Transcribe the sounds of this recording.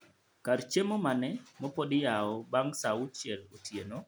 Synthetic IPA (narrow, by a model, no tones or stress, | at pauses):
kaɾt͡ʃemomanɛmɔpodɪjaɔbaŋsaʊt͡ʃɛlotʰjeno